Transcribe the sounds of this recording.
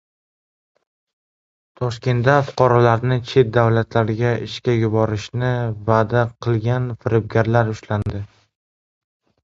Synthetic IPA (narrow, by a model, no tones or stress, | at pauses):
t̪ʰɒʃkʲe̞nd̪afʊ̥qʰɒɾɒlaɾnɪt͡ʃʰe̞t̪̚d̪awlat̪ʰlaɾɡʲaɪʃkʲajʊbɒɾɪʃnɪvad̪aqʰɨlˠɡʲanfɪɾɪb̚ɡʲaɾlaɾʊʃland̪ɪ